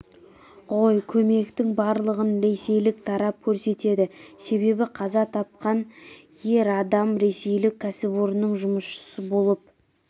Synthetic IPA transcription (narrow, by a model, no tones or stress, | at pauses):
ʁo̞jkʲʰɵme̞kt̪ɪŋbɑɾlˠəʁənɾe̞se̞jlɪkt̪ʰɑɾɑp̚kʲʰɵɾse̞t̪e̞d̪ɪse̞βe̞bɪqʰɑzɑt̪ʰɑp̚qɑn | je̞ɾɑd̪ɑmɾe̞se̞jlɪkʲʰːæsɪboɾnəɴʒʊməsʃə̥səbo̞lˠəp̚